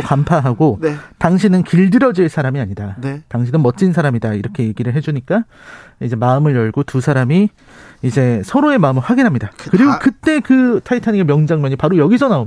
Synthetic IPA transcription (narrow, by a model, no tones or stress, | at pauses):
kampʰaɦaɡotaŋɕʰinɯnkiɭdɯɾʌd͡ʑiɭs͈ʰaɾamiaɲidataŋɕʰinɯnmʌt̚t͡ɕ͈ins̬ʰaɾamidaiɾʌkʰe̞je̞ɡiɾɯɭɦe̞d͡ʑuɲik͈a | id͡ʑe̞maɯmɯɭjʌɭɡotusʰaɾamiː | d͡ʑe̞sʰʌɾoe̞maɯmɯɭɸwaɡinɦamɲidakɯɾiɡokɯt͈e̞kɯtʰaitʰaɲiɡemjʌŋd͡ʑaŋmjʌɲipaɾojʌɡisʰʌnao